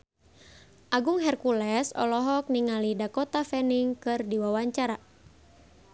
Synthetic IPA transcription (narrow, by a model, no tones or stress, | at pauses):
ʔaɡuŋɦɛrkulɛsɔ̰lɔɦɔk̚niŋalidakɔt̪afɛniŋkɨrdiwawaɲt͡ʃaɾa